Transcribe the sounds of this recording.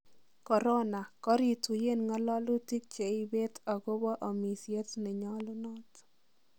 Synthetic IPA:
kɔ˨ɾɔ˦na˨kɔ˦ɾi˨tu˨je˦nŋɔ˦lɔ˦lʊ˦ti˦k̚t͡ʃe˨ɪ˦be˦tɔ˨ɡo˦bɔ˦ʔɔ˨mi˨sje˦tnɛ˨ɲɔ˦lʊ˦nɔ˦t

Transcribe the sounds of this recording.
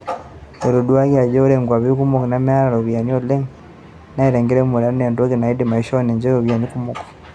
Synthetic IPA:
e˨ɾo˨du˦a˦ɣia˨d͡ʒe˦o˦ɾeŋɡwa˨βi˦ku˦mo˨knam˦a˦ɾa˨ɾoβja˨ni˦o˦le˦ŋ | na˦eɾe˨ŋɡe˦ɾe˦mu˨ɾa˦ɾne˨ndo˦ɣe˨na˨i˦di˨ma˨i˦ʃo˦ne˨ɲd͡ʒe˦joβja˨ni˦ku˦moko̥

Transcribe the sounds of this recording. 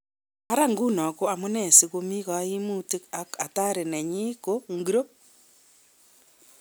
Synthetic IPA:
a˦ɾa˦ŋɡu˦nɔ˨ko˦a˨mo˦ne˨si˨ɣo˦mi˦ɣa˨a˦i˦mu˦ti˦ka˦ka˨ta˦ɾe˨ne˨ɲi˦ko˦ŋɡi˨ɾo˦

